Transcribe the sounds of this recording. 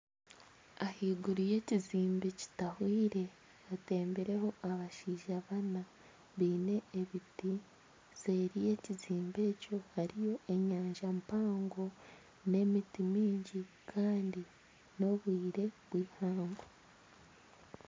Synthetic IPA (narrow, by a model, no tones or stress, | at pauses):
ahiːɡuɾije̞ciziːmbeci̥tahwiːɾe̞ | ate̞ːmbeɾe̞ho̞ʔaβaʃiːʒaβana | βiːne̞ːβiti | z̥eːɾije̞ːciziːmbe̞ːco̞haɾijo̞e̞ɲaːɲʒampaːŋɡo̞ | ne̞mitimiːɲɟi | kʰaːndi | no̞βwiːɾe̞βwiːhaːŋɡo